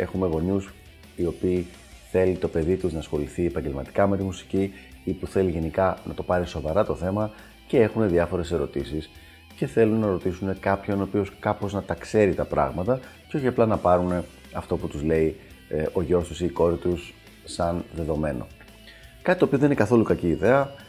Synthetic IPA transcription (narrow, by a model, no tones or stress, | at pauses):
e̞̰xume̞ɣo̞ɲus | io̞piː | θe̞lit̪o̞pe̞ðit̪uznɐsxo̞liθiepɐɲɟe̞lmɐt̪i̥kɐmet̪imusi̥ciipuθe̞liʝe̞nikɐnɐ̰t̪opɐɾiso̞vɐɾɐt̪o̞θe̞mɐ | ce̞e̞xune̞ðiɐfo̞ɾe̞se̞ɾo̞̰t̪isis | ce̞θelunːɐɾo̞t̪isune̞kɐpço̞nopio̞skɐpo̞znɐt̪ɐkse̞ɾit̪ɐpɾɐ̰ɣmɐt̪ɐceo̞çiɐplɐnɐpɐɾune̞ | ɐft̪o̞put̪uzle̞iʔo̞ʝo̞st̪usiːko̞ɾit̪usː | ɐnðe̞ðo̞me̞no̞̰ | kɐt̪it̪opioðeninekɐθo̞lukɐciːðe̞ɐ